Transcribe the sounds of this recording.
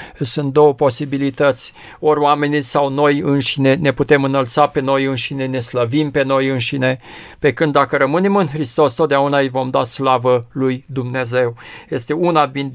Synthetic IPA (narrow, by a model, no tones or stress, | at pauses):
sunt̪̚d̪o̞wəpo̞sibilit̪ət̪sʲ | o̞rʲoame̞nisawno̞jɨnʃine̞ne̞put̪e̞mɨnəlt̪sape̞nojɨnʃine̞ne̞sləvimpe̞no̞jɨnʃine̞pe̞kɨnd̪ːakəɾəmɨne̞mɨnxɾist̪o̞st̪ot̪d̪eaunaɨjvo̞md̪aslavəlujd̪umne̞ze̞wje̞st̪e̞unabin